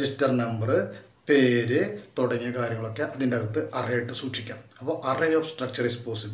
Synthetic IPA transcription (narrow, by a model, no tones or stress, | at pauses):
d͡ʑistɐrnɐmbɐrɨ | pe̞ːɾɨt̪uɽɐŋːiɐkaːɾjɐŋːɐɭo̞kːeʔɐðindeɐɣɐt̪ːɨʔɐrɐjaːjiʈːɨsuːʂikʲːaːmɐpːoːʔɐrejoːsʈrɐk̚t͡ɕɐrispoːsi